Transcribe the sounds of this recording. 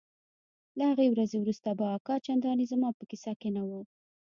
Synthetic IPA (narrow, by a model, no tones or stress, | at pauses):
lahaɣewɾazewɾust̪abaːkɑt͡ʃand̪ɑnizamɑpəkisɑkenawə